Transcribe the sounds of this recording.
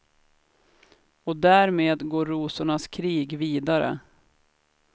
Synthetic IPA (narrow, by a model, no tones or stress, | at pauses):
ɔd̪æːɾmeːd̪ɡoːɾːuːsʊɳaskʰɾiːɡviːd̪aɾə̰